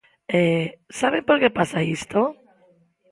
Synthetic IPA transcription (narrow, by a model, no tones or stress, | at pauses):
esaβepoɾkepasaist̪o